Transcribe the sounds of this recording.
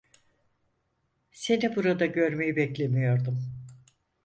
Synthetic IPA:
se̞nibuɾad̪aɟø̞ɾme̞jibɛclʲe̞mijo̞ɾd̪um

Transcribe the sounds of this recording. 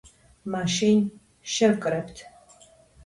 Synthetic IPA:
maːʃin | ʃɐrkʼɨɾɐptʰ

